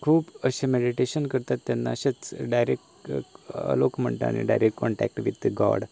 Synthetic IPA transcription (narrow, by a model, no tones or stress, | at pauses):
kʰuːpəɕemeɽiʈeɕənkəɾt̪at̪ːjanːa̰əɕet͡sɖajɾekʈ | ə̰lokm̤ə̰ɳʈ̪əa̰ñḭɖajɾekːkɔɳʈæ̰k̚ʈʋit̪ɡɔ̰ɽ